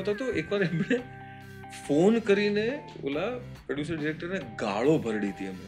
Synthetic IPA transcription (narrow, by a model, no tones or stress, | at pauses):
t̪ot̪oekʋaɾemɳe | fonkəɾine | o̰la | pɾoɖjuːs̬əɾɖiɾek̚ʈəɾneɡa̰ɭobʱəɾɽit̪iɛme